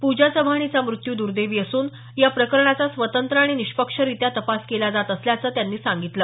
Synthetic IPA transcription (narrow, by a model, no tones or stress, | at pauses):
pud͡ʑasəbʱaɽ̃it͡samɾut̪juːd̪uɾd̪eʋiːəsuːn | japɾəkəɾɳat͡sasʋət̪ənt̪ɾəaɽ̃iniʂpəkʂəɾit̪jat̪əpaskelad͡zat̪əsljat͡səːt̪janːiːsãŋɡit̪ləː